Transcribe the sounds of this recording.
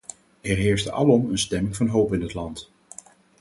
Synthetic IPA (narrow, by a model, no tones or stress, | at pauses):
ɛɹɦɪːɹsdəʔɑ̰lɔmənstɛmɪŋvɑnɦowpɪnɦətlɑnt